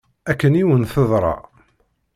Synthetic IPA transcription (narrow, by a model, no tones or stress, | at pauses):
ækːəniwənθəðˤɾˤɑ̰